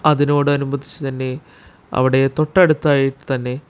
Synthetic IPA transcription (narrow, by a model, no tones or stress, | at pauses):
ɐðino̞ːɽɨɐnumɐd̪ʱːit͡ɕːɨt̪ɐnːe̞ | ɐ̰ʋiɽe̞t̪o̞ʈːɐɽut̪ːaːjiʈːɨ̥t̪ɐnːe̞